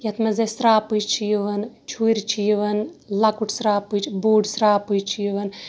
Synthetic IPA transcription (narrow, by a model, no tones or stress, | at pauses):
jɐt̪mɐzɐsɾaːpɨt͡ʃʰijʋɐnt͡ʃʰuɾʲt͡ʃʰiʋɐnlɐkuʈʰsɾaːpɨt͡ʃboːɖsɾaːpujt͡ʃʰijʋɐn